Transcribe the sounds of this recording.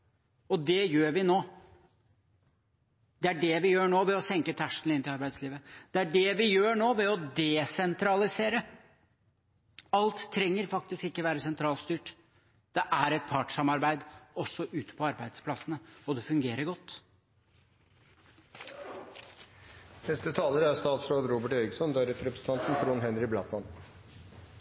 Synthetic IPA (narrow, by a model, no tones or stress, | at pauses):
ɔd̪ɛjøːɾʋɪnoː | d̪̥ɛæɖɛʋɪjøːɳoːʋɛɔsɛŋkət̪ʰæʂənɪnt̪ɪlɑɾbæɪd̪sliːʋəd̪̥ɛæɖɛʋɪjøːɳoːʋɛɔd̪ɛsɛnt̪ʰɾɑlɪseːɾə | ɑlt̪ʰːɾɛŋːəɾfɑk̚t̪ɪskɪkːəɔʋæːɾəsɛnt̪ʰɾɑːlst̪yːʈ | d̪̥ɛʔæɾɛt̪̚pʰɑːʈʂɑmɑɾbæɪd̪ɔsːɔʔʉːt̪ə̥pʰɔɑɾbæɪd̪spʰlɑsənəɔd̪ɛfʉŋɡeːɾəɾɡɔt̪ː | nɛst̪ət̪ʰɑːləɾæɾst̪ɑːt̪sɾoːd̪ɾuːbəʈœʏɾɪɡsɔnd̪ɑɾɛp̪ɾɛpɾəsət̪ʰɑnt̪sɔm̩t̪ʰɾuːnɦɛnɾɪblɑt̪mɑn